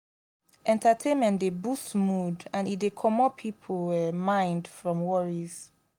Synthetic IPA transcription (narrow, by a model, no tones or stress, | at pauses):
ʔɛ̃ntʰətʰẽnmɛ̃ndebusmudãnitdekʰɔmɔpʰːipʰomãɪ̃ndfɹɔ̃mwɔɹiz̥